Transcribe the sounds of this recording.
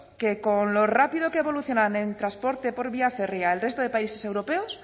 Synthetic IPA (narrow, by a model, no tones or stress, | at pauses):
ke̞konlo̞rapiðokeːβo̞luθjo̞nanent̪ɾaspo̞ɾt̪e̞po̞ɾβiaferjaelre̞st̪oð̞e̞paise̞se̞wɾo̞peos